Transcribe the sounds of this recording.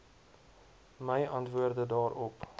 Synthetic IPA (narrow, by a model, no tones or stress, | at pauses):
məjʔɐntvuərdədɑːɾɔp